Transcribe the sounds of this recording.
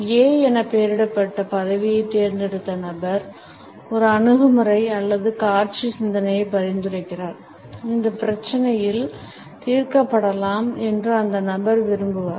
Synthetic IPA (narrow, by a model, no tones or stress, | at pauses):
eːɛnɐpːeːɾɪɽɐpːɐʈːɐpɐðɐʋɪjɐɪt̪ːeːɾnd̪ɛɽɯt̪ːɐnɐbɐɾ | ɔɾɯɐɳɯɣɯmɯrɐɪɐlːɐðɯkaːɾt͡ʃisɪnd̪ɐnɐjɐɪpɐɾɪnd̪ɯɾɐɪkːɪraːɾ | ɪnd̪ɐpɪɾɐt͡ʃːɐnɐjɪl | t̪iːɾkɐpːɐɽɐlaːmɛndrɯɐnd̪ɐnɐbɐɾʋɪɾɯmbɯʋaːɾ